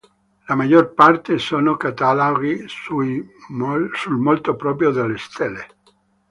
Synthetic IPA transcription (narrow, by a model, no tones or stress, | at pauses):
lamad͡ʒorpart̪esoːnokat̪aloɡisu | sulmolt̪opɾɔːpɾjod̪elːest̪ʰɛlːe